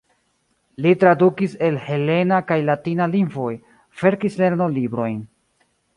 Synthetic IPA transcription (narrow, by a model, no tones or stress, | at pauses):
litɾadukise̞lhe̞le̞nakajlatinalinvo̞j | fe̞ɾkisle̞ɾnolibɾo̞jn